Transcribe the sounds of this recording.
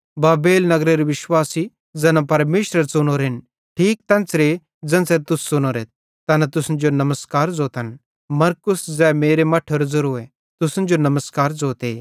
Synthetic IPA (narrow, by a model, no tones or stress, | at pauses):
baːbeːlnɐɡɾeɾiʋɪʃwaːsi | d͡zɐnãpɐɾmeːʃɾəɾsʊnoɾɦɪn | ʈʰiːk̚t̪ɛ̃ːnsɾe | d͡zɐ̃nsɛɾt̪ʊsːʊnoɾe | t̪ɐnat̪ʊsnd͡ʒonɐməskaːɾd͡zoːt̪ɐn | mɐɾkʊsd͡zɛːmeːɾemɐʈʰoɾd͡zʊɾoɛ | t̪ʊsnd͡ʒonɐməskaːɾd͡zoːt̪eː